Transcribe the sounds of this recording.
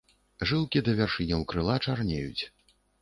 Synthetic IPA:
ʐɨlˠkʲid̪ɐvʲarʂɨnʲɛwkɾɨlˠat͡ʂarnʲejṵt͡sʲ

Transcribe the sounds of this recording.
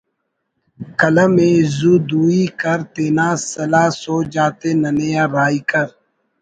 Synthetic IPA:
kɐləmẽːzuːd̪uːiːkəɾt̪eːnãːsɐlaːsoːd͡ʒaːt̪eːnɐnejaːɾaːikəɾ

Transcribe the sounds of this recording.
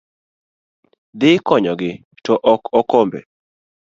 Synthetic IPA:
d̪ɪkɔɲɔɡɪ | tɔʔɔkɔkombḛ

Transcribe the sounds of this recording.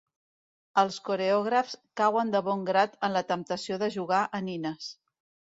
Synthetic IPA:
əlˠskuɾeɔɣ̞ɾəfskawənd̪əβɔŋɡɾat̪ənlət̪əmpt̪əsioðəʒuɣ̞aʔəninəs

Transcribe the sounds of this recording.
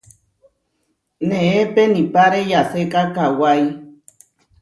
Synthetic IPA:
nẽẽpenĩpaɾejasekakawaj

